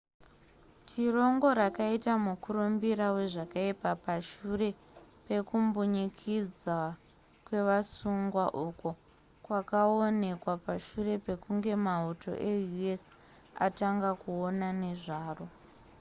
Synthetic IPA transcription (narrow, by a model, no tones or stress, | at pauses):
tʰiro̞ŋɡo̞ɾakaitamukuɾumbiɾawe̞ʐakaipapaʃure̞ | pe̞kumbuɲikʰid͡za | kwe̞ʋasuŋɡwaʔuːko | kwakao̞ne̞kwapaʃure̞pe̞kuŋɡe̞mauto̞̰ʔe̞jues | a̰taŋɡakuonane̞ʐaːro̞